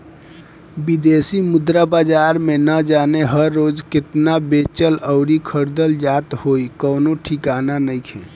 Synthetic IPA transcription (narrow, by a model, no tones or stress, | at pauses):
bid̪esimʊd̪ɾabaːd͡ʒaːɾmẽnəd͡ʒaːneɦəɾːoːd͡ʒkɪt̪nabet͡ʃələʊɾikʰəɾd̪əld͡ʒaːt̪hoikənoʈʰikaːnanəikʰẽ